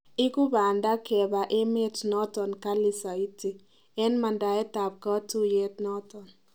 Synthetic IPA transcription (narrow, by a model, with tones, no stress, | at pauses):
ɪ˦ku˦ba˨nda˦kɛ˨ba˨ʔe˦me˦tnɔ˦t̪ɔ˨nka˦li˦sa˨i˦ti˨ | ɛ˦nma˨nda˨ɛ˦ta˨p̚kɔ˦tu˦je˦tnɔ˦t̪ɔ˨n